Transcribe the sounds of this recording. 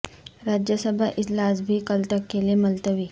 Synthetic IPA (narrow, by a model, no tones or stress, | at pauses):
ɾad͡ʑjəsəbʱaʔit̪lasbʱiːkəlt̪əkːeliməlt̪əʋiː